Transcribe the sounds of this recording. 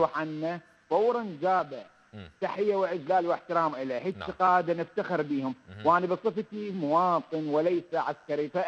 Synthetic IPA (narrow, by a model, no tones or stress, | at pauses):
ħanːa | fɑwːɾˤand͡ʒaːba | t̪aħɪjːawɪʔɪd͡ʒlaːlwɪħt̪ɪɾaːmʔɪleːhɪɪqɑːd̪anɪft̪axɪɾbiːhʊmwʔaːnabɨsˤɨft̪imʊwɑːt̪ˤɨnwɪlajsaʕaskaɾifa